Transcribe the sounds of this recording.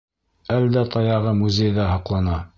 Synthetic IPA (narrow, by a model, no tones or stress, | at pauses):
æld̪æt̪ʰɑjɑʁɤmuzʲejðæɦɑqlˠɑnɑ